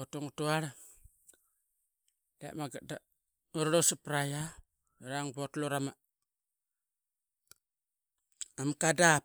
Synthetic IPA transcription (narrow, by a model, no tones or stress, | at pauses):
otuŋutuaɾa | lḛʔmaɡada | uɾɾosapɾaja | ɾaŋbotluɾama | amkada